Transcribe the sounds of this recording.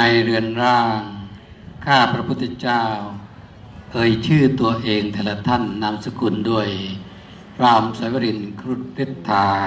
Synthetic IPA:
a˧jɾɯ˧ənɾaː˧˩ŋ | kʰaː˥˩pɾa˧pʰu˧˩t̪ʰːa˧t͡ɕaː˥˩w | ʔɤː˧jt͡ɕʰɯː˥˩t̪u˧ɐʔeː˧ŋt̪ʰɛː˧˩la˧t̪ʰa˥˨nːa˧˥˨msa˧ku˧˩˨ndu˧˥˩əj | ɾaː˧˩msa˨˧˦jwa˧ɾi˧nkʰɾu˧˩t̪̚ɾe˦˧˩t̪ʰːaː˧

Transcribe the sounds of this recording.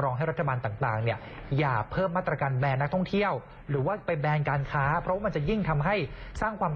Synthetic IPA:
ɾɔː˧ŋɦa˥˩jɾa˥t̪ʰa˧baː˧nt̪aː˨˩ŋt̪aː˨˩ŋni˥˩ɐ | jaː˨˩pʰɤː˥˩mːaː˥˩t̪ɾa˧kaː˧nbɛː˧nː˦˥k̚t̪ʰɔ˥˩ŋt̪ʰi˥˩əw | ɾɯː˩˦waː˥˩pa˧jbɛː˧nkaː˧nkʰaː˦˥pʰɾɔ˦waː˥˩ma˧nt͡ɕa˨˩ji˥˩ŋt̪ʰa˧mɦa˥˩jsaː˥˩ŋkʰwaː˧m

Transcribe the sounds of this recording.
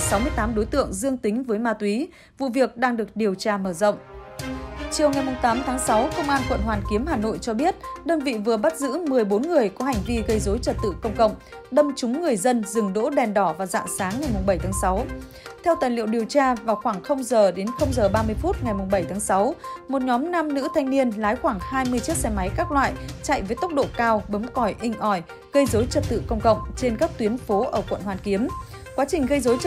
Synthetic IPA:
sa˨˦wmɨ˧əjt̪aː˨˦mɗo˨˦jt̪ɨ̰˧˨əŋzɨ˧əŋt̪ï˨˦ŋ̟vəː˨˦jmaː˧t̪wi˨˦ | vṵ˧˨vi˨˩ək̚ɗaː˧ŋɗɨ˨˩ək̚ɗi˨˩əwt͡ɕaː˧məː˧˩zə̰˧˨wŋ͡m | t͡ɕi˨˩əwŋa˨˩jmʊ˨˩ŋ͡mt̪aː˨˦mt̪ʰaː˨˦ŋsa˨˦wkə˧wŋ͡mʔaː˧nkwə̰˧˨nhwaː˨˩nki˨˦əmhaː˨˩no̰˧˨jt͡ɕɔ˧ɓi˦˥ət̚ɗəː˧nvḭ˧˨vɨ˨˩əɓa˦˥t̚zɨ̰˧˥mɨ˨˩əjɓo˨˦nŋɨ˨˩əjkɔ˨˦ha˨˩ŋ̟vi˧ɣə˧jzo˨˦jt͡ɕə˨˩t̚t̪ɨ̰˧˨kə˧wŋ͡mkə̰˧˨wŋ͡m | ɗə˧mt͡ɕʊ˨˦ŋ͡mŋɨ˨˩əjzə˧nzɨ˨˩ŋɗo̰˧˥ɗɛ˨˩nɗɔ˧˩vaː˨˩za̰ː˧˨nsaː˨˦ŋːa˨˩jmʊ˨˩ŋ͡mɓə˧˩jt̪ʰaː˨˦ŋsa˨˦w | t̪ʰɛ˧wt̪aː˨˩jlḭ˧˨əwɗi˨˩əwt͡ɕaː˧vaː˨˩wxwaː˧˩ŋxə˧wŋ͡mzəː˨˩ɗe˨˦nxə˧wŋ͡mzəː˨˩ɓaː˧mɨ˧əjfu˦˥t̚ŋa˨˩jmʊ˨˩ŋ͡mɓə˧˩jt̪ʰaː˨˦ŋsa˨˦wmo˨˩t̚ɲɔ˨˦mna˧mnɨ̰˧˥ət̪ʰa˧jŋ̟ni˧ənlaː˨˦jxwaː˧˩ŋhaː˧jmɨ˧əjt͡ɕi˦˥ət̚sɛ˧ma˨˦jkaː˦˥k̚lwa̰ː˧˨jt͡ɕa̰˧˨jvəː˨˦jt̪ə˦˥k͡p̚ɗo̰˧˨kaː˧wɓə˨˦mkɔ˧˩jʔï˧˩ŋ̟ʔɔ˧˩j | ɣə˧jzo˨˦jt͡ɕə˨˩t̚t̪ɨ̰˧˨kə˧wŋ͡mkə̰˧˨wŋ͡mt͡ɕe˧nkaː˦˥k̚t̪wi˨˦ənfo˨˦ʔəː˧˩kwə̰˧˨nhwaː˨˩nki˨˦əm | kwaː˨˦t͡ɕï˨˩ŋ̟ɣə˧jzo˨˦j

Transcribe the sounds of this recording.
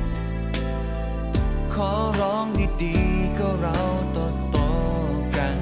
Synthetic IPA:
kʰɔː˨˩˦ | ɾɔː˦˥ŋdiː˧˩diː˨˩ka˧˩ɾa˧wt̪ɔ˧˩t̪ːɔː˧˩ | ka˧˩n

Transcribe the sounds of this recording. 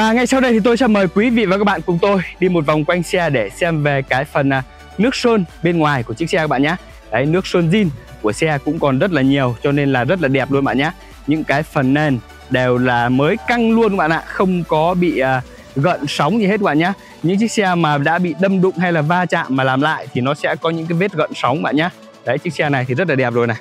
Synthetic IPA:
vaː˨˩ŋa˧jsa˧wɗə˧jt̪i˨˩t̪o˧jsɛ̰˧˥məː˨˩jkwi˨˦vḭ˧˨vaː˨˩kaː˦˥k̚ɓa̰ː˧˨kʊ˧˩ŋ͡mt̪o˧jɗi˧mo˨˩t̚va˨˩wŋ͡mkwa˧jŋ̟sɛ˧ɗe˧˩sɛ˧mve˨˩kaː˨˦jfə˨˩nʔː | nɨ˦˥ək̚səː˧nɓe˧nŋwaː˨˩jku˧˩ət͡ɕɨ˦˥k̚sɛ˧aː˦˥ɓ̰ːɲaː˨˧˦ | kaː˨˦jnɨ˦˥ək̚səː˧nzi˧n | ku˧˩əsɛ˧kʊ̰˧˥ŋ͡mkɔ˨˩nzə˦˥t̬̚laː˨˩ɲi˨˩əwt͡ɕɔ˧ne˧nlaː˨˩zə˦˥t̚laː˨˩ɗɛ˨˩p̚lu˧nɓa̰ː˧˨ɲaː˧˦ | ɲɨ̰˧˥ŋkaː˨˦jfə˨˩nːe˨˩n | ɗe˨˩wlaː˨˩məː˨˦jka˧ŋlu˧ənkɓa̰ː˧˨ʔa̰ː˧˨xə˧wŋ͡mkɔ˨˦ɓḭ˧˨əː˨˩ | ɣə̰˧˨nsa˨˦wŋ͡mzi˨˩he˦˥t̚k̚ɓ̰aː˧˨ɲaː˨˦˥ | ɲɨ̰˧˥ŋt͡ɕɨ˦˥k̚sɛ˧maː˨˩ɗa̰ː˧˥ɓḭ˧˨ɗə˧mɗʊ̰˧˨ŋ͡mɦa˧jlaː˨˩vaː˧t͡ɕa̰ː˧˨mːaː˨˩laː˨˩mla̰ː˧˨jt̪ʰi˨˩nɔ˨˦sɛ̰˧˥kɔ˨˦ɲɨ̰˧˥ŋkaː˨˦ve˦˥t̚ɣə̰˧˨nsɔ˨˦wŋ͡mkɓa̰ː˧˨nɲaː˧ | kəː˨˦jt͡ɕɨ˦˥k̚sɛ˧na˨˩jt̪ʰi˨˩zə˦˥t̬̚laː˨˩ɗɛ˨˩p̚zo˨˩jna˨˩j

